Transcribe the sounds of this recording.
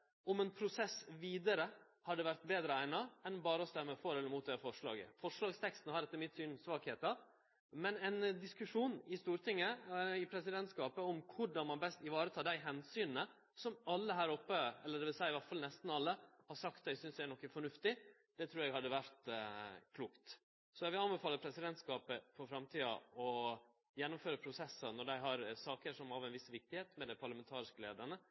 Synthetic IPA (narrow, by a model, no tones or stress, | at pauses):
ɔmɛnpʰɾʊsɛsʋiːd̪əɾə | hɑɖ̪ɛʋæɾt̪beːd̪ɾəæɪnɑɛnbɑːɾəɔst̪ɛmːəfɔɾɛlːəɾmuːt̪̚d̪ɛfɔʂɭɑ̰ːɡə̰fɔʂɭɑːɡst̪ʰɛkst̪n̩hɑɾɛt̪ːəmɪt̪ːsyːnsʋɑːkheːt̪ɑ | mɛnɛnd̪ɪskʉʂuːnɪst̪uːɾt̪ʰɪŋːəɪpʰɾɛsɪd̪ɛnt̪skɑːpəɔmkʰʊɖɑnmɑnbɛst̪ɪʋɑːɾət̪ʰɑːd̪æɪɦɛnsyːnnə | sɔmɑlːəɦæːɾɔpːəɛlːəɖ̪ɛʋɪlsæɪɪʋæʈfɑlnɛst̪n̩ɑlːəhɑʂɑkt̪d̪æɪsʏnsd̪ɛæɾnɔkːəfɔɳʉft̪ɪ | d̪̥ɛt̪ʰɾʉːɾɛɡhɑd̪ːəʋæɾt̪kʰluːkt̪ | sɔjɛɡʋɪlɑnbəfɑːlːəpʰɾɛsɪd̪ɛnt̪skɑːpəfɔɾfɾɑmt̪ʰiːɑ̰ɔ | jɛnːʊmføːɾəpʰɾʊsɛsːənɔɖæɪɦɑɾsɑːkəʂɔmɑʋɛnʋɪsʋɪk̚t̪ɪheːt̪mɛd̪æɪpʰɑɾɭɑmɛnt̪ʰɑːɾɪskəleːd̪əɳə